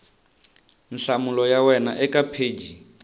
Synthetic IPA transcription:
n̩ɬamulɔjawɛnaʔɛkʼapʰeːd͡ʒi

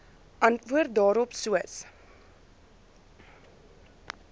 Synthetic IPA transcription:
ʔɐntvuərt̚dɑːɾɔpsuəs

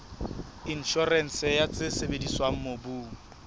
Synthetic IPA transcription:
in̩ʃɔrɛn̩sɛjat͡sʼɪsebediswaŋ̩mobuːŋ̩

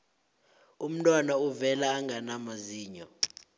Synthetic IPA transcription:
um̩tʼwanauvɛlaːŋɡʱanamaziːɲɔ

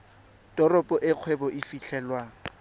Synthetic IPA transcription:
dɔrɔpʼɔʔɪq͡χʰwɛbɔʔɪfiɬʰɛlwaː

